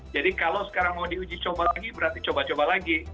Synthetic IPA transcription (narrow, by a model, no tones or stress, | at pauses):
d͡ʒadikalowsə̥kaɾaŋmawdiud͡ʒit͡ʃobalaɡibəɾart̪it͡ʃobat͡ʃobalaɡi